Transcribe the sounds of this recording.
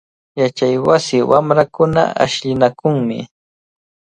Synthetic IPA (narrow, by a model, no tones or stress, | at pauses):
jat͡ʃajwasɪwamɾakʊna̰a̰ʃʎɪnakʊŋmɪ̰